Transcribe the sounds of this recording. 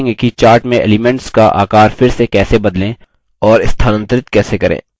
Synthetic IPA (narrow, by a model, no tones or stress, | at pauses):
ŋɡkit͡ʃaːɾʈmẽʔḛːlɪmɛ̃ɳʈskaʔa̰ːkaːɾfɪɾsekɛːsebɐd̪lẽ | ɔːɾɪst̪ʰanə̃nt̪əɾɪt̪̚kɛːsekɐɾʔḛ̃ː